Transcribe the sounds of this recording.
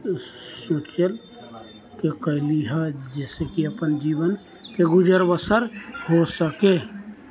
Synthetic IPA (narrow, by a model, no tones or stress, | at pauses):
sot͡ʃəl | kekəɪliɦad͡ʒɛːsekiɐpənd͡ʒiːʋən | keɡʊd͡ʒəɾbəsəɾhosəkeː